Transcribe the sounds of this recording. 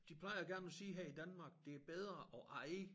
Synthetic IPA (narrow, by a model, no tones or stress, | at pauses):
d̥ipʰlɑ̈ɪɐɡ̥æɐnæsiːɦeid̥ænmɑ̈ːɡ̥̚d̥e̝æɐb̥eð̞ˠʁɐʔɒʔɑ̈ɪ